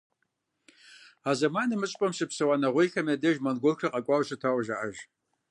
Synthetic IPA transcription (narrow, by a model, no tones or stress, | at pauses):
aːzɐmaːnɨmɨɕʼpʼɐmʃɨpsɨwanɐʁʷejxɐmɐdɐʒmɐnɡʷorkrɐqʼɐkʷʼawɕɨtʰawʒaʔaʒ